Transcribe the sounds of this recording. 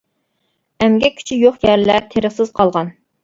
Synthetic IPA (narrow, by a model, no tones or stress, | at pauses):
ɛmɡʲɛkʲʰy̥t͡ʃʰijoχjæɾlæt̪ʰeɾəχsɨz̥qʰɑlˠʁɑn